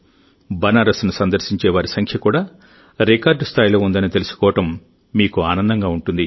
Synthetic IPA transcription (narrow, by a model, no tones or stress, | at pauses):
bɐnaːɾɐsnusɐnd̪ɐɾʃiɲt͡ʃɛːʋaːɾisɐŋkʰjɐkuːɽaː | ɾikaːɾɖst̪ʰaːjlo̞ːund̪ɐnit̪e̞lusu̥kɔːʋɐʈɐmː | iːkuaːnɐnd̪ɐŋɡaːuɳʈund̪i